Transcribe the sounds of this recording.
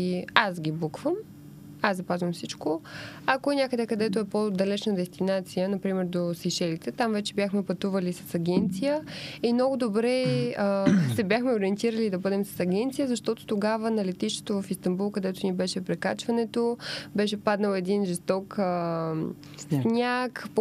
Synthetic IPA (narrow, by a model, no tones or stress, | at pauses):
asɡʲibukvəm | azzɐpazvɐmfsit͡ʃkoɐkoɛnʲakəd̪ɛkɐd̪ɛt̪oɛpod̪ɐlɛt͡ʃnəd̪ɛst̪inat̪sijənɐpɾimɛɾd̪osiʃɛlit̪ɛt̪amvɛt͡ʃɛbjaxmɛpɐt̪uvɐlisɐ̥sɐɡʲɛnt̪sijəimnɔɡʊd̪obɾɛəsɛbʲjaxmɛoɾiɛnt̪iɾəlid̪ɐbɤd̪ɛmsɐ̥sɐɡʲɛnt̪sijəzɐʃt̪ɔt̪o̥t̪oɡavənɐlɛt̪iʃt̪ɛ̥t̪ovɐfist̪ɐmbulˠkɐd̪ɛt̪onibɛʃɛpɾɛkat͡ʃvɐnɛt̪obɛʃɛpad̪nəlɛd̪inʒɛst̪ɔkə | snʲakp